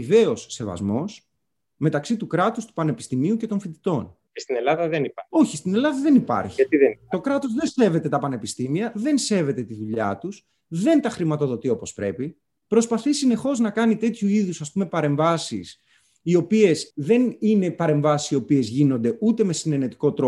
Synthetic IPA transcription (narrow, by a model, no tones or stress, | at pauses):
ve̞o̞sːe̞vɐ̰zmo̞s | me̞t̪ɐksit̪ukɾɐt̪ust̪u̥pɐne̞pist̪imiuce̞t̪o̞nfit̪i̥t̪o̞n | est̪inelɐðɐðeniɐo̞çist̪ine̞lɐðɐðe̞nipɐ̰ɾçit̪iðet̪o̞kɾɐt̪o̞zðense̞ve̞t̪e̞t̪ɐpɐne̞pist̪imiɐðe̞nse̞ve̞t̪e̞t̪iðuʎɐ̰t̪us | ðe̞nt̪ɐxɾimɐt̪o̞ðo̞t̪io̞po̞spɾe̞̰pi | pɾo̞spɐθisine̞xo̞znɐkɐnit̪e̞t̪çuiðusɐspume̞pɐɾe̞ɱvɐsḭs | io̞pie̞sðe̞nine̞pɐɾe̞ɱvɐsi̥sio̞pie̞zʝino̞nd̪e̞ʔut̪e̞mesineɾne̞t̪i̥ko̞t̪ɾo